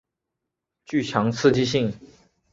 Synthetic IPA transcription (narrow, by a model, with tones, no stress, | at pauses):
t͡ɕy˥˩t͡ɕʰjɑ˧˥ŋt͡sʰɹ̩˥˧t͡ɕi˥ɕ̬i˥˩ŋ